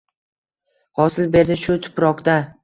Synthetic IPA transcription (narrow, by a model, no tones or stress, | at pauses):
hɒsɪlbe̞ɾd̪ɪʃʊt̪ʰʊ̥pɾɒqt̪a